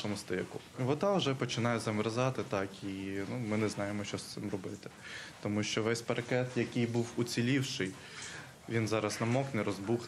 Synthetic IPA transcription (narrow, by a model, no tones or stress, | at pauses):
ɔmʊst̪ɪkʊ | ʋɔt̪ɑʊʒɛpɔt͡ʃɪnɑjɛzɐmɾɐzɑt̪ɪt̪ɑkinumɪnɛznɑjemɔʃt͡ʃɔst̪ɪmrɔbɪt̪ɪ̥t̪ɔmuʃt͡ʃɔʋɛsʲpɐɾɐkɛt̪jɐkɪjbuwut͡sʲilʲiwʃɪj | ʋʲinzɑɾɐsnɐmɔknɛɾɔzbux